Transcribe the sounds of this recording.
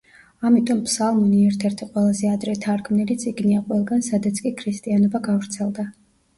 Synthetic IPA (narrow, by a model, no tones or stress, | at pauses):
amit̪ʼɔmpʰsalˠmɔniɛɾt̪ʰɛɾt̪ʰiqʼwɛlˠazɛad̪ɾɛt̪ʰaɾkʰmnilit̪sʼiɡniaqʼwɛlˠɡansad̪at̪sʰkʼikʰɾist̪ʼianɔbaɡavɾt̪sʰɛlˠd̪a